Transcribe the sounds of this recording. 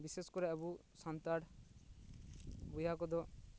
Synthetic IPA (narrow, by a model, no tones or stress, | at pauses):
biseskɔɾɛabu | sant̪aɽ | bujakɔd̪ɔ